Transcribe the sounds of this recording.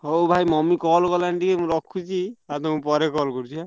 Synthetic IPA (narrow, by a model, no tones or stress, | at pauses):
ɦowbʱajmɔmikɔlkɔlanʈikemũɾɔkʰːut͡ʃʰiat̪ɔmũpɔɾekɔlkɔɾut̪ʰia